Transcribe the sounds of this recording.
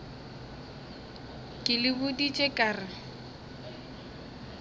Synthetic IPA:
kʼɪlɪbʊdit͡ʃʼekʼaːrɪ

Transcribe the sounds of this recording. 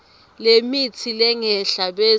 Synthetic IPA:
lemit͡sʰilɛŋɛɬaɓe

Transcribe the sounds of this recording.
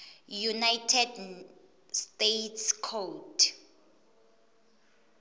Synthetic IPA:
junajtʰɛd | stetʰskʰotʰ

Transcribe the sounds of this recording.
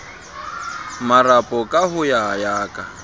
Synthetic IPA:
marapʼɔkʼaɦʊjajaːkʼa

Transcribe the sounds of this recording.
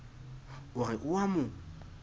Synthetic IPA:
ʊrɪʔʊwamʊ

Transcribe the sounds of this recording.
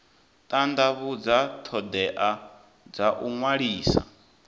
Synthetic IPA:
t̪ʼand̪aβud͡zat̪ʰɔd̪ɛʔa | d͡zaʔuŋwaɺiːsa̰

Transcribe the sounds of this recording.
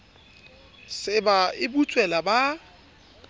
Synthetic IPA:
sɪbaɪbut͡sʼwɛlaba

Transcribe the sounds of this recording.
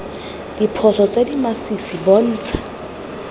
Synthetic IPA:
dipʰɔsʰɔt͡sʼedimasisibɔn̩ːt͡sʰḁ

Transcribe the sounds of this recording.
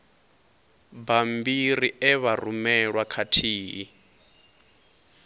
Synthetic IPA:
bambiɾiɛβarumɛɺwakʰatʰiːɦi

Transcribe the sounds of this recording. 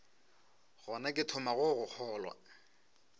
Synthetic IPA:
ɣɔnakʼɪtʰʊmaɣʊɣʊk͡xʰɔːlwa̰

